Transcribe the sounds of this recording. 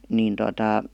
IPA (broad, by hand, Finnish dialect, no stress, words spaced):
niːn totɑ